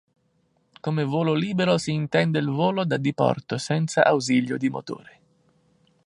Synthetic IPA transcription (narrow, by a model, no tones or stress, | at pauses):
komevoːloliːbeɾosiːnt̪ɛnd̪eilvoːlod̪ad̪ipɔ̰rt̪osɛnt̪sa̰ʔawziʎːjod̪imo̰t̪o̰ːɾe